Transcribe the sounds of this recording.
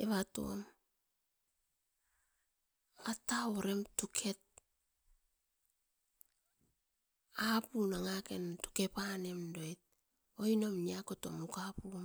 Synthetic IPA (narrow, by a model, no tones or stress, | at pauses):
eβato̞̰m | ataoɾe̞mtukʰe̞t̚ | apunaŋake̞ntu̥ke̞pane̞mdoet̚ | oino̞mniako̞to̞̰mukapum